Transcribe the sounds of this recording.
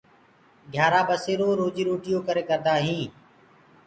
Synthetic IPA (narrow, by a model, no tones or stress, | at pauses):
ɡʱjaːɾaːbəseːɾoːɾoːd͡ʒiːɾoːʈɪjoːkəɾeːkəɾd̪aːɦĩː